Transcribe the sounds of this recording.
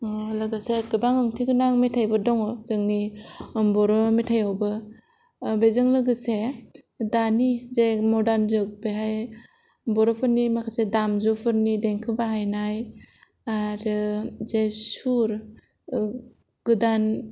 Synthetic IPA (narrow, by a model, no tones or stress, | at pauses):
lɯɡɯseɡɯbaŋɯŋtʰiɡɯnaŋmetʰajbɯdɔŋɔzɯŋnimbɔɾɔmetʰajawbɯ | bezɯŋlɯɡɯse | danizemɔdanzɯk̚beɦaj | bɔɾɔpʰɯɾnimakʰasedamzɔpʰɯɾnideŋkʰɯbaɦajnaj | aɾɯzesuɾ | ɡɯdan